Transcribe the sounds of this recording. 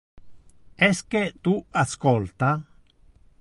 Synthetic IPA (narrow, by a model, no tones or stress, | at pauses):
esket̪uaskolt̪a